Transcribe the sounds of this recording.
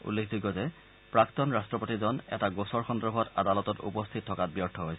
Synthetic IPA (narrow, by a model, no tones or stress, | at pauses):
ṵlːekʰzuɡːɔzɛ | pɹaktɔnɹastɹɔpotizɔnɛ̰taɡosɔɹxɔndɔɹbʱɔta̰dalɔtɔtṵpɔst̪ʰit̚tʰːɔkat̚bijɔɹtʰːɔɦojsɛ